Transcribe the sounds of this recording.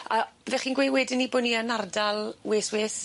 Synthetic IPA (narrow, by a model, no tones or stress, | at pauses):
ab̥ɛðɛχiːnɡwewɛdɪnːiboːnianardalˠweːsweːs